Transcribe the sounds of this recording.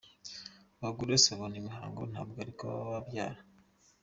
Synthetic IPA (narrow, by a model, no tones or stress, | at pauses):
βaɡuɾeseβonimihaːŋɡon̥ha̰βɡaɾikaβ̰a̰βabja̰ːɾa